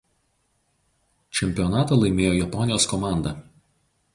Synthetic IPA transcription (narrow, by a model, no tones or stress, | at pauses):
t͡ʃʲɛmʲpʲɪɔnɑːt̪ɐːˑlˠɐɪmʲeːjoːjɛpɔnʲɪjoːskɔmɑˑnd̪ɐ